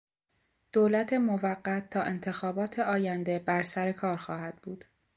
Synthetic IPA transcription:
d̪̥oːlæt̪ʰe̞movæɢːæt̪̚ʰːɒːʔe̞nt̪ʰe̞xɒːbɒːt̪ʰe̞ɒːjænd̪e̞bæɾsæɾe̞kʰɒːɾxɒːhæd̪̥̚buːd̪̥

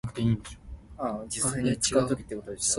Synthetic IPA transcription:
kɯ̟̥t̪e̞iːnd̪eɕo̥ad͡ʑisːaɲt͡ɕi̥kaɯt̪o̞kʲi̥t̪ːekot̪od̪es

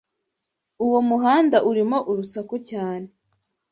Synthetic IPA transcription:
uwomuɦaːndaʔuɾimo̞ʔuɾusakocaːne

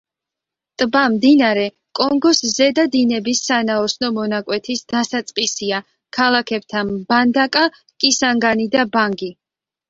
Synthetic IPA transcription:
t̪ʼbamd̪inaɾɛ | kʼɔŋɡɔszɛd̪ad̪inɛbisːanaɔsnɔmɔnakʼwɛt̪ʰisd̪̥asat̪sʼqʼisia | kʰalˠakʰɛb̥̚t̪ʰanband̪akʼa | kʼisaŋɡanid̪abaŋɡi

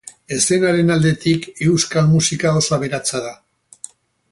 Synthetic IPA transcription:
e̞sɾenaɾe̞nald̪e̞t̪ike̞wskalmusikaosaβe̞ɾat͡saða

